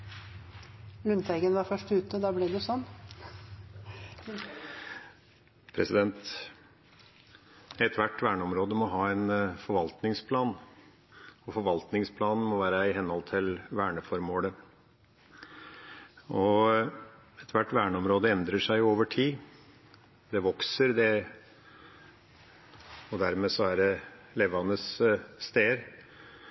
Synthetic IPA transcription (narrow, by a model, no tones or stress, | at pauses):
lʉnt̪ɛɪɡənʋɑfœʂʈʉːt̪əd̪ɑːblɛd̪ɛsɔnː | pʰɾɛsɪd̪ɛnt̪ | ɛt̪ʰʋæʈːʋæːɳəɔmɾoːd̪əmɔɦɑːɛnfɔɾʋɑlt̪nɪŋspʰlɑːn | ɔfɔɾʋɑlt̪nɪŋspʰlɑːnn̩mɔʋæːɾəɪɦɛnhɔlt̪ʰɪlʋæːɳəfɔɾmoːlə | ɔ | ɛt̪ʰʋæʈːʋæːɳəɔmɾoːd̪əɛnd̪ɾəʂæɪoːʋəʈʰiː | d̪ɛʋɔksəɾd̪ɛ | ɔd̪æɾmeːsɔæɾɖɛleʋɑnəsːt̪eːɾ